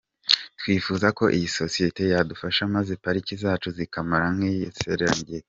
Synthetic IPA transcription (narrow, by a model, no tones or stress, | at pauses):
twiːfuːzako̞ʔijiso̞sije̞te̞jadufaʃamazepaɾicizaːt͡ʃuzikamaɾaŋhejeseɾeɾaɲɟi